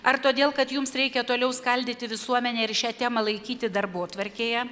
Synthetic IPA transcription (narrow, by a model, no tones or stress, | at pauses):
ɐɾt̪oːd̪ʲeːlˠkɐt̪jʊmsɾʲɛɪkʲɛt̪oːlʲɛʊskɐlʲd̪ʲɪt̪ʲɪʋʲɪsuɔmʲɛnʲɛːɪɾʃʲæːt̪ʲæːmɐlˠɐɪkʲiːt̪ʲɪd̪ɐrboːt̪ʋɐɾʲkʲeːjɛ